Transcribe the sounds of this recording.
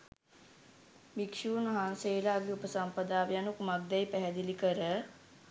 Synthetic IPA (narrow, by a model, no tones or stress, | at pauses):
mikʃuːnɐɦãnseːlaːɡiupəsɐmpəd̪aːʋjanukumak̚d̪ɛjpɛɦɛd̪ilikəɾə